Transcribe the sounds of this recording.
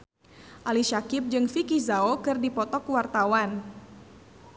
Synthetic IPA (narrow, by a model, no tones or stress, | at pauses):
ʔaliʃakɪp̚d͡ʒɨŋfikizaokɨrdipɔt̪ɔkwart̪awan